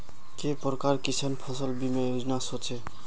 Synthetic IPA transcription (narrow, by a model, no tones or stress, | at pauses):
kepɔɾkaɾkit͡ʃʰanpʰɔsʌlbimajod͡znasɔt͡ʃʰe